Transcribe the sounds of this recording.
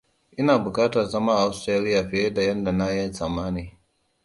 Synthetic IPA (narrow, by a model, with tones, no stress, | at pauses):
ʔɪ˦naː˨bʊ˨kaː˦ta˨zɐ˦maː˦ʔa˦ʊ˦stɾaː˦lɪ˦jaː˨ɸɪ˦e˦da˨jɐ˦nda˨na˦jɛ˦nsaː˨maː˦niː˨